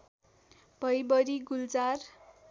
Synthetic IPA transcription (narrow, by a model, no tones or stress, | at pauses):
b̥ʱʌjbʌɾiɡuld͡zar